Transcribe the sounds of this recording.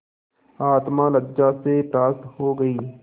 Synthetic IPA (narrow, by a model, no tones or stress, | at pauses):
aːt̪mãləd͡ʒaseʈɾaːst̪ɦoːɡɐiː